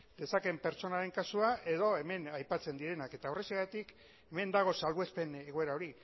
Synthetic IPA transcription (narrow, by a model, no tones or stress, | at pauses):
d̪e̞sake̞mpe̞ɾt͡so̞naɾe̞ŋkasuaʔe̞ðo̞e̞me̞najpat͡se̞nd̪iɾe̞nake̞t̪aoreseɣat̪ik | e̞me̞nd̪aɣ̞o̞salβuespe̞ne̞ɣoe̞ɾao̞ɾi